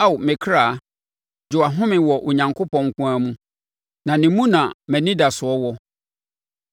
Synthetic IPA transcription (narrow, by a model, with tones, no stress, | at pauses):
a˦˨wmɪ̃˨kʰɾaː˨ | d͡ʑʊ˨a˨ɦʊ̃˦mɪ̃˨wɔ˨ʔo˨ɲã˨ŋkʰo˦pɔ̃˨ŋ̩˦kʷũ˦a˦mũ˦ | nã˨nɪ̃˨mũ˦nã˨mɛ̃˨nĩ˦da˨sʊ˨ɔ˦wɔ˦